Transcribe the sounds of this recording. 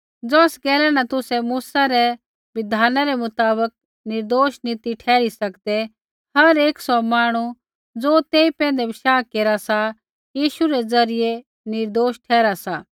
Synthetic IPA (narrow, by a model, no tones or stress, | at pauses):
d͡zɔːsɡɛːlɛnat̪ʊsɛmuːsaɾɛ | ʋɪd̪ʱaːnaɾɛmʊt̪aːbək̚ | nɪɾd̪oːʃnɪt̪iʈʰɛːɾisɐkd̪ɛ | hɐɾeːksɔmaːɽ̃u | d͡zoːt̪eːipɛ̃ːnd̪ɛbɪʃaːkeːɾasa | jiːʃuɾɛd͡zɐɾɪje | nɪɾd̪oːʃʈʰɛːɾasaː